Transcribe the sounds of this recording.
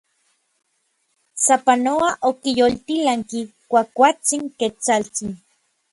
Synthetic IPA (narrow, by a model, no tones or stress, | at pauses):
sapanoaʔokijolt̪ilaŋkikʷakʷat͡siŋket͡salt͡sin